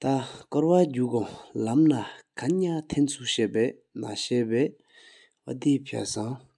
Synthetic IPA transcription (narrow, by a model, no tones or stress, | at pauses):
t̪akɔɹwad͡ʑuːkolamnakʰaɲat̪ʰent͡sʰuɕeːʔpɛː | na̰ɕɛːpɛː | wat̪ipʰa̰saŋ